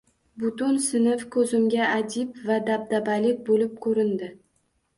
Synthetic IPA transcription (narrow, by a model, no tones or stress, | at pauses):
bʊt̪ʊnsɪnɪfkʰɵzɪmɡʲaːd͡ʒ̪ɪpvad̪ab̚d̪abalɪk̚ʲbolɪp̚kʰɵɾɪnd̪ɪ